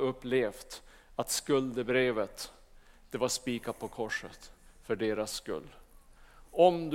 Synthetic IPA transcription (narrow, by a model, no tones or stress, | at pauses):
ɵpːleːft̪ | at̪skɵld̪əbɾeːvət̪ | d̪̥ɛvaʂpiːkapʰɔkʰɔʂə̰t̪fœɖeːɾasːkɵ̰lː | ɔmd̪